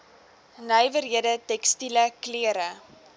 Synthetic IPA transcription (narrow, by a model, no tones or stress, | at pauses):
nəjvəɾiədətɛkstiləkliəɾə